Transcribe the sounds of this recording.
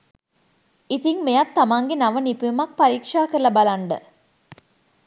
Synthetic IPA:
it̪iŋmejat̪ːamaŋɡenaʋənipuumak̚paɾikʂaːkəɾəlɐbalaɳɖə

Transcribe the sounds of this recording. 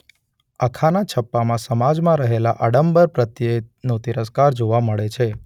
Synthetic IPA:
əkʰanat͡ʃʰəpːamãsəmad͡ʒmãɾəɦelaʔəɖəmbəɾpɾət̪jenõt̪iɾəskaɾd͡ʒoʋaməɭet͡ʃʰe

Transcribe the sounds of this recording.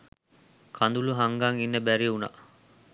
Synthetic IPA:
kʰɐnd̪uluɦaŋɡaŋinːɐbæɾiuna̰

